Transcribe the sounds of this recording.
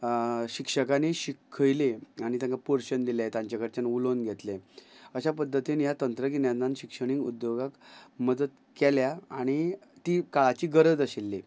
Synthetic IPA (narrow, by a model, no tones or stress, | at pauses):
ɕikʂəkaneɕikʰːəjleaɽ̃it̪̬jãŋkapoɾɕənd̪iljaet̪ãɲt͡ɕakəɾt͡ɕanulonɡʱet̪leəɕapəd̪ʱːət̪inijat̪ənt̪ɾək̬injananɕikʂəɽ̃iŋɡṵd̪joɡakməd̪ət̪ | kɛljaaɽ̃it̪ikaɭat͡ɕiːɡəɾəd͡zəɕelːe